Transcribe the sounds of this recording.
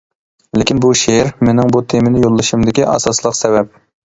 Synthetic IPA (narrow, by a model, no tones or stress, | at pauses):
lɪkʲinbuʃeɾmenɪŋbut̪ʰemɪnɪjolˠːɨʃimd̪ɪkʲiʔɑ̰sɑslˠəqsɛvɛp̚